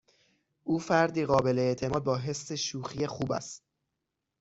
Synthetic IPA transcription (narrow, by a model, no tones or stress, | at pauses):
ʔuːfæɾd̪iːɣɒːbe̞leeʔt̪ʰe̞mɒːd̪̚bɒːɦe̞sːe̞ʃuːxijexuːbæ̰st̪̚